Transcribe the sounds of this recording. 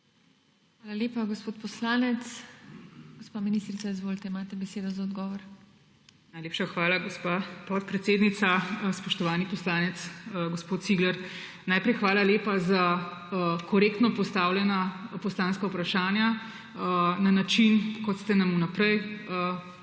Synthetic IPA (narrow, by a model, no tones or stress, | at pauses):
xʋaːlaleːpaɡospoːt̪pɔslaːnɛt̪s | ɡ̥ospaːminist̪ɾit̪saizʋoːlt̪ɛimaːt̪ɛbɛseːd̪ɔzaɔd̪ɡɔʋɔɾ | najleːpʃaxʋaːlaɡospapɔt̪̚pɾɛt̪seːd̪nit̪saspɔʃt̪ɔʋaːnipɔslaːnɛt̪sɡospoːt̪siːɡlɛɾ | naːjpɾɛjxʋaːlaleːpaza | kɔɾeːkt̪nɔpɔst̪aːwljɛnapɔslaːnskaupɾaʃaːnja | nanat͡ʃinkɔt̪st̪ɛnamunapɾɛjə